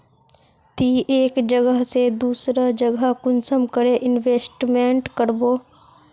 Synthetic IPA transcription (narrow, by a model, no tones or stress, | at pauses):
t̪iːʔeːkd͡ʒəɡəɦsed̪uːsɾad͡ʒəɡakʊnsəmkəɾeʔɪnʋeːsʈmẽɳʈkəɾboː